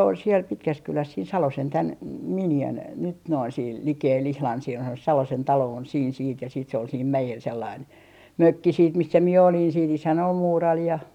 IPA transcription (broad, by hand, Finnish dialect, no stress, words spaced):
ol siel pitkæskylæs siːn sɑlosen tæn m minjæn nyt noin siːl likeːl ihlɑn sielhæn on se sɑlosen tɑloː on siːn siːt jɑ siːt se ol siːm mæjel selːɑin møkːi siːt misːæ mie olin siːt isæn ol muːrɑl jɑ